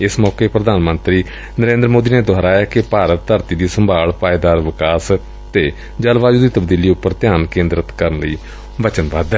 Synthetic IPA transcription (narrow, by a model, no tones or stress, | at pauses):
ɪsmɔːkeːpɾəd̪aːnmənt̪ɾiː | nəɾẽːnd̪ɾəmoːd̪iːneːd̪ʱɔɦɾaːjaːkɪpaːɾət̪t̪ʰəɾt̪iːd̪iːsəmbʱaːɭpaːed̪aːɾʋɪkaːs | t̪eː | d͡ʒəlʋaːd͡ʒuːd̪iːt̪əbd̪iːliːʊpːəɾt̪ɪjaːnkẽːnd̪ɾət̪kəɾənləiː | ʋət͡ʃənʋaːd̪ɛː